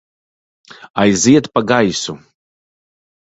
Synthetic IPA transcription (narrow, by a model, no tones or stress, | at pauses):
ajziɛt̪paɡajsu